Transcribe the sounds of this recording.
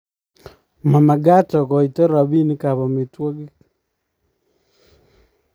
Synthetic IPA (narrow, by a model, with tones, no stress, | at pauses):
ma˨ma˨ɡa˦tɔ˨kɔ˨i˨tɔ˦ɾa˨βi˦ni˦kaβa˨me˨twɔ˦ɡi˦